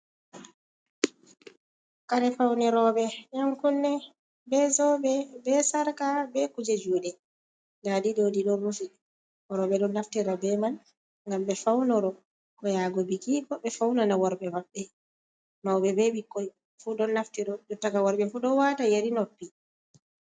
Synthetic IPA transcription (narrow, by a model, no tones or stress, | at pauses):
kaɾɛfawnɛɾɔɓɛjamkɔnːɛ | bɛzɔbɛbɛsaɾkabɛkud͡ʒɛd͡ʒuːɗɛ | nadiɗoːdiɗɔmufiɗ | ɔɾɔɓɛɗɔnːaftiɾabɛman | ŋɡamɓɛfawnɔɾɔ | kɔjaɡɔbikikɔɓɛfawnanawaɾbɛmaɓːɛ | mawɓɛbɛɓikːɔj | fuɗɔnːaftiɾɔɗɔtakawaɾɓɛfuɗɔwatajeɾinɔpːi